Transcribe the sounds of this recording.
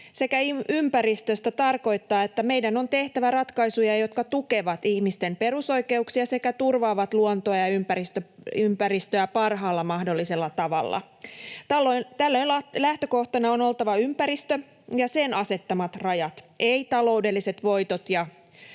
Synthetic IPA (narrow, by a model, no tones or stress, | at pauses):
se̞kæiympæɾist̪øst̪æt̪ɑrko̞jt̪ːɑːe̞t̪ːæme̞jdæno̞nt̪e̞ht̪æʋærɑt̪kɑjsujɑjo̞t̪kɑt̪uke̞ʋɑt̪içmist̪e̞mpe̞ɾuso̞jke̞uksiɑse̞kæt̪urʋɑːʋɑt̪luont̪oɑjɑympæɾist̪øympæɾist̪øæpɑrɦɑːlːɑmɑhdo̞lːise̞lːɑt̪ɑʋɑ̰lːɑ̰ | t̪ɑlːot̪ælːøinlɑlæht̪øko̞ht̪ɑnɑono̞lt̪ɑʋɑympæɾist̪ø | jɑsenɑse̞t̪ːɑmɑt̪rɑjɑt̪ʔe̞it̪ɑlo̞ude̞lːise̞t̪ʋo̞jt̪ot̪jɑ